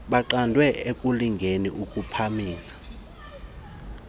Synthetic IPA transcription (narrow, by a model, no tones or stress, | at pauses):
ɓaǃandʱwɛekʼuliŋɡʱeniʔukʼupʰamiːsḁ